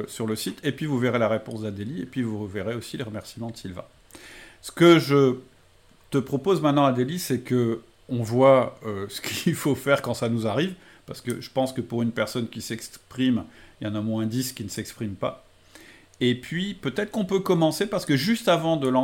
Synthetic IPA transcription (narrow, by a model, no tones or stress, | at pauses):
syʁləsit̪ʰepɥivuveʁelaʁepɔ̃sd̪ad̪eliepɥivuveʁeosileʁəmɛʁsimɑ̃d̪əsilvã̰ | sə̥kəʒə | t̪əpχɔpozmɛ̃t̪nɑ̃ad̪elisɛkə | ɔ̃vwaøsə̥kʰilfofɛʁkɑ̃sanuzaʁiv | paʁsə̥kəʒəpɑ̃skəpuʁynpɛʁsɔnkʲisɛkspχimljɑ̃namw̃ɛ̃d̪iskʲinəsɛkspχimpa | epɥipøt̪ɛt̪χə̥kɔ̃pøkɔmɑ̃sepaʁsə̥kəʒyst̪avɑ̃d̪əlɑ̃